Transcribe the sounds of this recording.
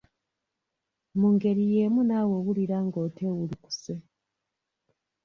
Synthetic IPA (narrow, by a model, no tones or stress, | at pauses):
muŋɡe̞ɾije̞ːmunawo̞ːɣuliɾaŋɡo̞ːtʰe̞wuliku̥se